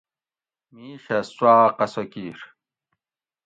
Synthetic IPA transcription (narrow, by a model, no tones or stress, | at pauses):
miːɕɐswaːqɐsokiːɾ